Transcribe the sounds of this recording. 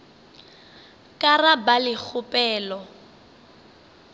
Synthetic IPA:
kʼarabalɪk͡xʰʊpʼɛːlɔ

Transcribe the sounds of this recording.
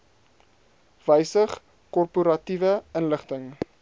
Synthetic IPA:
vəjsəχ | kɔrpuɾɐtivəənləχtəŋ

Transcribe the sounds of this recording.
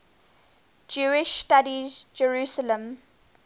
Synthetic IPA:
d͡ʒuːɪʃstadizd͡ʒəɹuːsələ̃m

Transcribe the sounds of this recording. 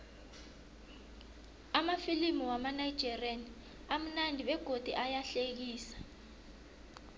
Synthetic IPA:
amafilimiwamanaid̥ʒ̥ʱɛrani | am̩nandʱiɓɛɡ̥ʱod̥ʱiʔajaɬek̬iːsḁ

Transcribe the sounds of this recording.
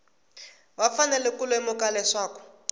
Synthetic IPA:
wafanɛlɛkulɔɛmʊkalɛʂaːkɔ̥

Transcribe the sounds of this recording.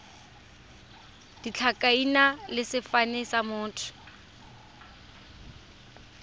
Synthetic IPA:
d̥it͡ɬʰakʼainalɪsɪfanɛsamʊːtʰʊ̥

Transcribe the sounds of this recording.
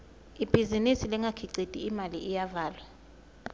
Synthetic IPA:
ib̥ʱizinisilɛŋɡʱakʰiǀid̥ʼiːmalḭʔijavaːlwa

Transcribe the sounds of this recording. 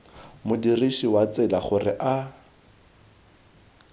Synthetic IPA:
mʊdiriʃiwat͡sɪlaχʊrɪʔa

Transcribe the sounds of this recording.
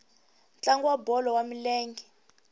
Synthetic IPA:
nt͡ɬaŋɡwabɔlɔwamilɛːŋɡi

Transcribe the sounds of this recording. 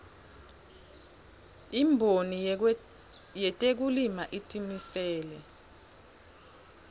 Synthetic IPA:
imbʱoni | jɛtʼek̬ulimaʔitʼimisɛːlɛ

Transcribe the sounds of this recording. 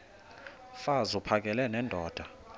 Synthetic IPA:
fazupʰak̬ʼɛlɛnɛndʱɔːd̥ʱa

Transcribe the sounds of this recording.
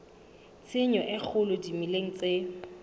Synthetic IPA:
t͡sʰɪɲɔʔɪk͡xʰʊlʊdimileŋ̩t͡se

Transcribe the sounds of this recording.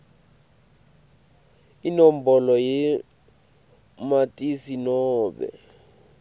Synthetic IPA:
inɔmbɔlɔjɛ | matʼisinɔːɓɛ̰

